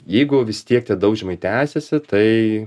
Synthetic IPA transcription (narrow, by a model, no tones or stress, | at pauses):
jɛɪɡʊʋʲɪst̪ʲiɛk̚t̪ʲɛd̪ɐʊʒʲɛmɐɪt̪ʲæːsʲɛsʲɪt̪ɐɪ